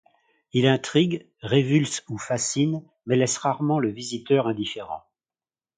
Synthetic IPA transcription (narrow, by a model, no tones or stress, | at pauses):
ilɛ̃t̪χiɡ | ʁevylsufasin | mɛlɛsʁaʁmɑ̃ləvizit̪œʁɛ̃d̪ifeʁɑ̰̃